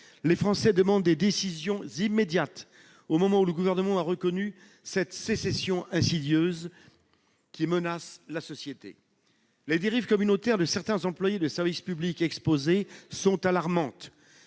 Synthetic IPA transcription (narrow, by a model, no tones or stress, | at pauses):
lefχɑ̃sɛd̪əmɑ̃d̪ːed̪esizjɔ̃zimːed̪jat̪ | omɔmɑ̃uləɡuvɛʁnəmɑ̃aʁəkɔny | sɛt̪sesɛsjɔ̃ʔɛ̃sid̪jøz | kʲimənaslasɔsjet̪ḛ | led̪eʁivkɔmynot̪ɛʁd̪əsɛʁt̪ɛ̃zɑ̃plwajed̪əsɛʁvispyblikɛkspozesɔ̃t̪alaʁmɑ̃t̪